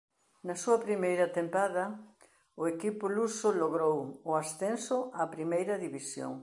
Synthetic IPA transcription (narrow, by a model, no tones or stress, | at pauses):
nɐsuɐpɾimejɾɐt̪empaðɐ | ʊekipʊlusʊloɣɾowʊasθensʊapɾimejɾɐðiβisjo̰ŋ